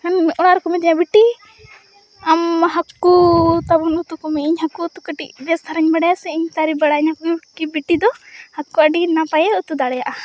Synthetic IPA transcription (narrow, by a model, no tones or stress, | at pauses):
kanɔɽaɾkumid̪iɲabiʈi | amɦakːut̪abunut̪ukɔmɛiɲɦakut̪ukaʈiʔbɛst̪ʰaɾaɲbaɽɛjasɛiɲt̪aɾibaɽaiɲɦakuikibiʈid̪ɔhakːuaɖinapajɛut̪ud̪aɽɛjaʔa